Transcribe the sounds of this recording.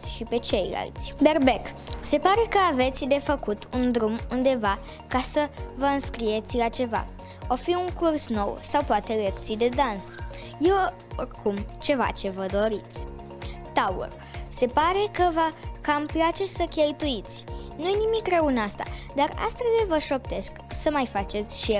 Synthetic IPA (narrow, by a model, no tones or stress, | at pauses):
sʲʃipe̞t͡ʃe̞jla̰lt̪sʲbe̞rbe̞kse̞paɾe̞kəave̞t̪sʲd̪e̞fəkut̪ʰund̪ɾumund̪e̞va | kasəvəɨnskɾie̞t̪sʲlat͡ʃe̞va̰ | ofiuŋkursno̞wsawpoat̪e̞le̞kt̪sijd̪e̞d̪ans | jew | orkʰumt͡ʃe̞va̰t͡ʃe̞vəd̪o̞ɾit̪sʲ | t̪aṵr | se̞paɾe̞kəvəkamplat͡ʃe̞səkʲe̞lt̪uit̪sʲ | nujnimikrəunast̪a̰d̪ara̰st̪velevəʃo̞pt̪e̞sksəmajfat͡ʃe̞t̪sʲʃijel